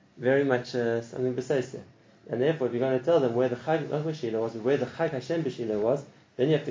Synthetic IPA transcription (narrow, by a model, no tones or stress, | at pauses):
vɛɹimʌt͡ʃəsʌ̰̃mθɪ̃ŋbɨsaɪdsə̰ | ɨ̃nðɛɹfɔːɹɪfjɨɡoʊɪ̃ntʰɨtʰɛlˠðə̃mwə˞ðəxaɪnʔɔ̰t̚wəʃilowʌzbəwə˞ðəxaɪkaʃɛ̃mbɨʃilowʌz | ðɨ̃njɨhæftɨ